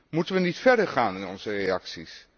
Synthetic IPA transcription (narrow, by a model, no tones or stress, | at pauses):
mutənʋənitfɛɹdəɹχaːnɪnɔnzərejɑksis